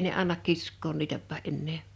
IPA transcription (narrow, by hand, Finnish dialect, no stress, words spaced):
ne ɑnːɑk kiskˑoːn niːtæpːæ ʔenːeː